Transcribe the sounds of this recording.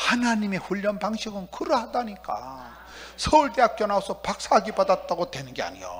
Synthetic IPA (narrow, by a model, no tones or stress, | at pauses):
hanaɲime̞ɸuʎːʌnpaŋɕʰiɡɯnkɯɾʌɦadaɲik͈a̰ | sʰʌuɭt͈e̞ak̚k͈jʌnaosʰʌpak̚s͈ʰaɦaɡipadat̚t͈aɡotwe̞nɯnɡe̞a̰ɲḭjo̰